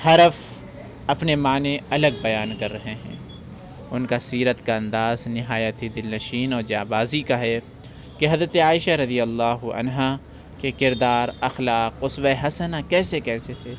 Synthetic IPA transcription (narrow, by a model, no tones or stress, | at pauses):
hɐɾəf | ɐpnemaːneɐləɡ̚bɐjaːnkɐɾːɐɦeɦɛ̰̃ː | ʊnkasiːɾət̪kaɐ̃nd̪aːznɪɦaːjət̪ʰid̪ɪlnɐʃiːnɔːɾd͡ʒaːbaːzikaɦɛ | keɦɐzɾət̪eaːɪʃaɾɐd̪ijɐlːaːɦʊɐ̰nɦa | kekɪɾd̪aːɾɐxlaːqʊsweɦɐsənakɛːsekɛːset̪ʰeː